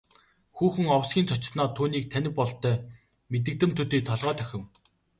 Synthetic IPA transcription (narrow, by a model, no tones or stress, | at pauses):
xuːxɘ̆ŋɔwsɡʲiːnt͡sʰɔt͡ɕɪ̆rnɔːt̪ʰuːniːk̚t̪ʰænʲɪ̆pːɔɮt̪ʰœː | met̪̬ɘ̆k̚t̪ɘ̆mt̪ʰɵt̪iːt̪ʰɔɮʁœːt̪ʰœxʲɪ̆w